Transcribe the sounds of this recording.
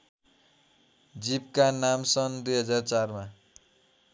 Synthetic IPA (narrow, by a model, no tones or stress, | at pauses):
d͡zib̚kanamsʌnd̪ujɦʌd͡zart͡sarma